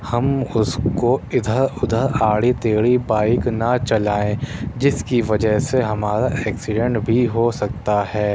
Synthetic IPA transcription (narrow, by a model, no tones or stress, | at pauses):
hɐmʊskoɪd̪ʱəɾʊd̪ʱəɾaːɽit̪eːɽibaːɪknɐt͡ʃɐlaːẽd͡ʒɪskiʋɐd͡ʒəɦseɦɐmaːɾaʔɛːksɪɖə̃ɳʈbʱiɦosɐk̚t̪aɦɛː